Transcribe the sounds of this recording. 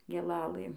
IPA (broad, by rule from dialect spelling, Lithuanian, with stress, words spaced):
ɡʲeːˈlˠɑːlˠɘ